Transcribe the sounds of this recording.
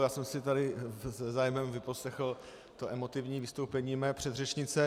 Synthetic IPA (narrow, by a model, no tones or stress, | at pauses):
jaːsɛmsɪt̪adɪɛzaːjmɛmvɪposlɛxl̩ | t̪oʔɛmo̞t̪ɪvɲiːvɪst̪owpɛɲiːmɛːpr̥ɛd̪rɛt͡ʃɲɪt͡sɛ